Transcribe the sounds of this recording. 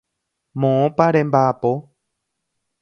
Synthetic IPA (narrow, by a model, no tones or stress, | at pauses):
mõõpaɾembapo